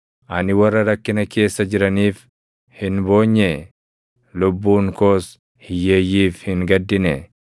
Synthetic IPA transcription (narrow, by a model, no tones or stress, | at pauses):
ʔɐnɪwɐrːɐɾɐkːɪnɐke̞ːsːɐd͡ʒɪɾɐniːf | hɪnbo̞ːɲːe | lʊbːuːŋko̞ːs | hɪjːeːjːiːfhɪŋɡɐd̪ːɪnɛ